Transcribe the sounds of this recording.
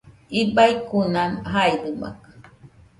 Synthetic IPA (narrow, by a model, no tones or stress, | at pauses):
ibajkunanɦaid̪ɯma̰k